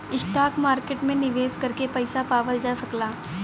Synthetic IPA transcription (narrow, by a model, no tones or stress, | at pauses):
ɪsʈaːkmaːɾkeːʈmẽnɪʋeːskɐɾkepɛɪsapaːʋəld͡ʒaːsɐklaː